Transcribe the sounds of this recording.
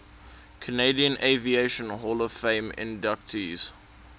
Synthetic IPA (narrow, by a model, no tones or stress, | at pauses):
kʰəneɪdiə̃nʔeɪvieɪʃə̃nɦɔːləv̥fẽɪ̃mɪ̰̃ndak̚tʰiz̥